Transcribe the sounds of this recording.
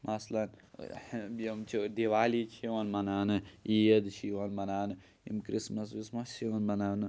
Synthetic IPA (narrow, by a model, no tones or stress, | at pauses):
mʔɐslɐn | jimt͡ʃʰid̪iʋaːlit͡ʃʰiʋɐnmɐnaːnɨijɐd̪t͡ʃʰiwɐnmɐnaːnɨ | ḭmkɾismɐs̬ʋismɐst͡ʃʰiwɐnmɐnaːnɨ